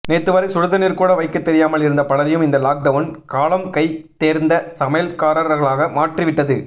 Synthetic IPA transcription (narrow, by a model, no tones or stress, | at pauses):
neːt̪ːɯʋɐɾɐɪsʊɻɯðɐnɪɾkuːɽɐʋɐɪkːɐt̪ːɛɾɪjaːmɐɭɪɾɯnd̪ɐpɐɭɐɾɪjɯmɪnd̪ɐlaːk̚ɖɐʋɐnkaːlɐmkɐɪt̪eːɾnd̪ɐsɐmɐjlkaːɾɐɾɣɐɭaːɣɐmaːʈrɪʋɪʈːɐðɯ